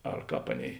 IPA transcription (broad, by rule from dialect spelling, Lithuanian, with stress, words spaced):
ɐr ˈkɑːp ˈɑːˌnʲeːɪ